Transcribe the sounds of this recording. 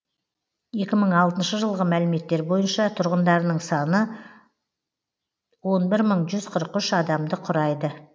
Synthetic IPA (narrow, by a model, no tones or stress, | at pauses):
e̞kʲɪməɴɑlˠt̪ənʃəʒəlˠʁəmælɪme̞t̪ːe̞ɾbo̞jənʃɑt̪ʰʊɾʁənd̪ɑɾnəɴsɑnə | wo̞nbɪɾməɴʒʏzqʰəɾəqʏʃɑd̪ɑmd̪əqʰʊɾɑjd̪ə